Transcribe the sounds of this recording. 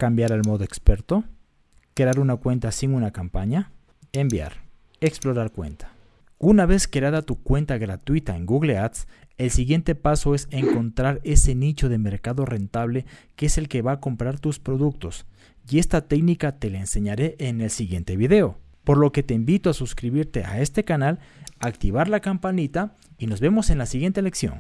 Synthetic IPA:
kambjaɾalmo̞ðoekspeɾt̪o | kɾeaɾunakwe̞nt̪asiŋunakampaɲa | embja̰ɾ | eksplo̞ɾaɾkwe̞̰nt̪ʰḁ | unaβe̞skeaðat̪ukwe̞nt̪aɣɾat̪wit̪aeŋɡuɣleat̪s | elsiɣje̞nt̪e̞paso̞eseŋko̞nt̪ɾaɾe̞se̞nit͡ʃo̞ðe̞me̞ɾkaðo̞re̞nt̪aβle̞keese̞lke̞βaːko̞mpɾaɾt̪uspɾo̞ðuk̚t̪o̞s | ie̞st̪at̪e̞knikat̪elaense̞ɲaɾe̞ʔːnelsiɣje̞nt̪e̞βiðe̞o̞ | po̞ɾlo̞ke̞t̪e̞imbit̪o̞asuskɾiβiɾt̪eʔa̰e̞st̪e̞kanal | akt̪iβaɾlakampanit̪a | ino̞zβe̞mo̞se̞nlasiɣjent̪ele̞ksjo̞̰n

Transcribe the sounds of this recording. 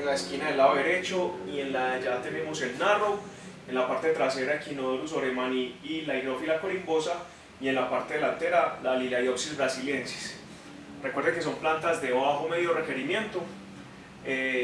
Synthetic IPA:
nlaeskinaðelaoðeɾe̞t͡ʃo̞ie̞nlaed͡ʒat̪e̞ne̞mose̞lnaro̞ | enlapaɾt̪e̞et̪ɾase̞ɾaekʰinoðɾus̬o̞ɾemaniːlaiɣɾofilakoɾimbo̞sa | ie̞nlapaɾt̪e̞ðelant̪e̞ɾalalilaioksizbɾasilje̞nse̥s | rekweɾd̪eke̞s̬o̞mplant̪azd̪eβaxome̞ðjo̞re̞ke̞ɾimje̞nt̪o̞

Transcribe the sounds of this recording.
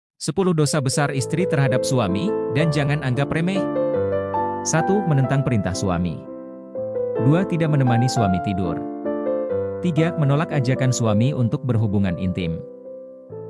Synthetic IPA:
səpulʊhdosabəsarist̪ɾit̪ərɦadap̚suamidand͡ʒaŋanaŋɡapɾemɛ | sat̪umənənt̪aŋpəɾint̪ahsua̰mḭ | duat̪idaʔmənəmanisuamit̪idʊ̰r | t̪iɡamənolakad͡ʒakansuamiunt̪ʊk̚bərɦubuŋanḭnt̪ɪm

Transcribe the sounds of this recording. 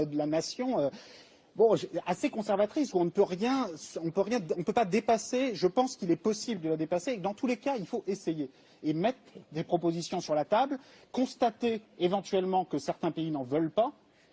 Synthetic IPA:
d̪əlanasjɔ̃ø | bɔ̃ʒɛasekɔ̃sɛʁvat̪χisuɔ̃nəpøʁjɛ̃sɔ̃pøʁjɛ̃ɔ̃pøpad̪epaseʒəpɑ̃skʲilɛpɔsibld̪əlad̪epaseːkəd̪ɑ̃t̪ulekailfoʔesejeː | mɛt̪χd̪epχɔpozisjɔ̃syʁlat̪abl | kɔ̃st̪at̪eːvɑ̃t̪ɥɛlmɑ̃kəsɛʁt̪ɛ̃peinɑ̃vœlpa

